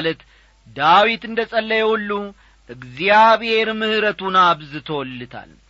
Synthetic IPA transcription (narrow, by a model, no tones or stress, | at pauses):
lət̪ | d̪awit̪ɨnd̪əsʼəlːəjɛwɔlːu | ʔɨɡzijaβhe̞ɾmɨhɨɾət̪ʰunaβzɨt̪ʰəwɔlːɨt̪ʰa̰l